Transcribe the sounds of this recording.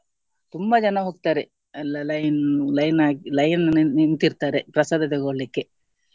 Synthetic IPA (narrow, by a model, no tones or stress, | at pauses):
t̪umbɐd͡ʒɐnɐɦoːɡ̚t̪aːɾe | lɐlɐjnlɐjnaːɡilɐjnint̪iɾt̪aːɾepɾɐsaːd̪ʱɐt̪eɡoːlikːe